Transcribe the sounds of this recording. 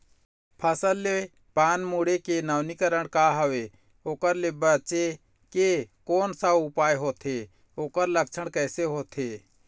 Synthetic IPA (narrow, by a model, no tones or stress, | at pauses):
pʰəsəlːe | paːnmuːɽekenəʋnikəɾəɽkaːɦəʋe | oːkəɾleːbət͡ʃe | kekoːnsaʊpaːjɦoːt̪ʰeː | oːkəɾlək̚t͡ʃʰəɳkɛːseɦoːt̪ʰeː